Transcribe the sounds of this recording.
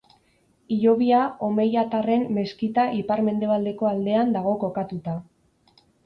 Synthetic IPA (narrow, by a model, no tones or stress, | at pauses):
iʎo̞βiao̞me̞jat̪are̞mːe̞skit̪aʔipaɾme̞nd̪e̞βald̪e̞ko̞ald̪e̞and̪aɣo̞ko̞kat̪ut̪a